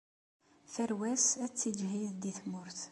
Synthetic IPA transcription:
fæɾwæsæt͡sːid͡ʒɦiðd̪iθmʊɾθ

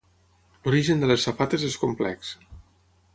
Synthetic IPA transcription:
luɾiʒənd̪ələsːəpat̪əzeskumplɛ̰ks

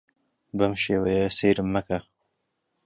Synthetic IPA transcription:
bɐmʃeːwɐjɐseːɾɨmːɐkɐ

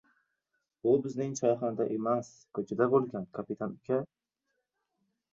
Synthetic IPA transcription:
bʊbɪznɪŋt͡ʃʰɒjχand̪aʔemas | kʰɵt͡ʃʰɪd̪abolˠɡʲankʰapɪt̪ʰanʊkʲʰa

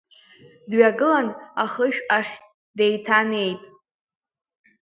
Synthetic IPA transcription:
dɥaɡɨlanaχəʃᶣaχʲ | de̞jtʰane̞jtʼ

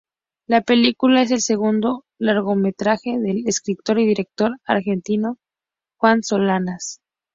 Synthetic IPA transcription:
lape̞likulae̞s̬e̞lse̞ɣund̪o̞ | laɾɣo̞me̞t̪ɾaxe̞ðe̞leskɾit̪o̞ɾiðiɾe̞k̚t̪o̞ɾa̰ɾxe̞nt̪ino | xwanso̞lanas

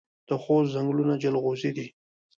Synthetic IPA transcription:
d̪̥əxoszaŋɡlunad͡ʒalɣozid̪i

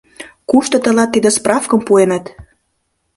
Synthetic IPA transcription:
kuʃt̪ot̪ə̆lɑt̪ːid̪ĕsprɑfkə̆mpuenət̪

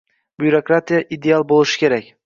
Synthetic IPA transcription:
b̥juɾokɾat̪ʰijaʔid̪e̞alˠbolˠɪʃɪ̥kʲʰe̞ɾakʲ

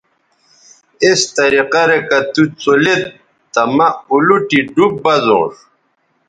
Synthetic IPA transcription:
est̪ɐɾiqɐɾekɐt̪ut͡solet̪̚ | t̪ɐmɐuluʈiɖup̚bɐzõ̰ːʂ

